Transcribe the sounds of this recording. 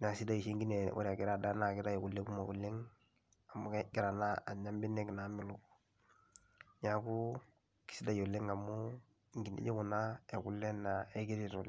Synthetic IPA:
na˨si˦da˦i˨se˦ŋɡi˦ne˨wo̰˦ɾa˨ɡi˦ɾa˨da˦na˦˨ki˦ɾa˦e˨ku˨lːe˦ku˦ma˨ɡu˨lːe˦ŋ | a˨mu˦ɡi˨ɾa˨na˦a˨ɲa˦mbi˦ne˦kna˨mi˦lu˦ | ɲa˨ku˦ | ki̥˦si˦da˦jo˨lːe˦ŋa˨mu˦ | ŋɡi˨nḛ˦ɟe˦ku˨na˦e˨ku˨lːe˦na˨e˦ɡi˦ɾi˦ɾo˨l

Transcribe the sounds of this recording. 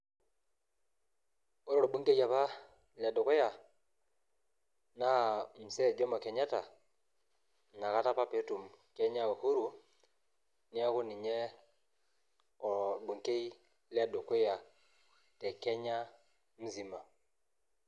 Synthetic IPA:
o˦ɾɔ˨ɾo˨bu˦ŋke˦ja˨pa˦ | li˨a˨do˨ke˦ja˨ | na˦m̩˨sɛ˦˨d͡ʒɔ˦ma˨ke˨ɲa˦ta˨ | na˨ka˦ta˦pa˦pe˨˦tu˨mkɛ˦ɲa˦wa˨hu˦ɾu˨ | ni˦a˦ku˦ni˨ɲɛ˦ | ɔ˨ɾbu˨ŋke˦i˦ | li˦a˨do˨ke˦ja˨ | tɛ˨kɛ˦ɲa˦ | m̩˦zi˨ma˨

